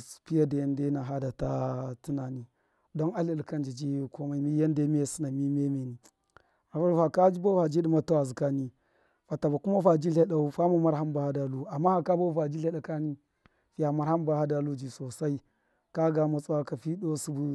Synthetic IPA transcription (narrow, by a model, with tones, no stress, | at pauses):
pi˦ja˦da˨ja˦nde˦na˨ɦa˦da˨ta˦ti˦na˨ni˨ | do˦na˦li˦˨lka˦nd͡ʒi˨d͡ʒi˦ko˦ma˦i˦mi˦ja˦nde˦me˦si˦na˨mi˦me˦me˨ni˨ | a˨fa˦˨fa˨ka˦d͡ʒi˦bo˦va˨d͡ʒi˦ɗi˦ma˦ta˦wa˨zi˨ka˦ni˨ | fa˨ta˨ba˨ku˦ma˦va˨d͡ʒi˦ɬe˦ɗa˦u˦fa˦ma˨ma˦ɾha˦mba˨ha˦da˨lu˦a˨mːa˦a˨ka˦ba˦va˨d͡ʒi˦le˦ɗa˨ka˦ni˦ | fi˦ja˨ma˦ɾha˦mba˨ha˦da˨lu˦d͡ʒi˨so˨sa˦i˦ | ka˦ɡa˨ma˨t͡swa˦ka˨fi˦ɗo˦su˦bu˦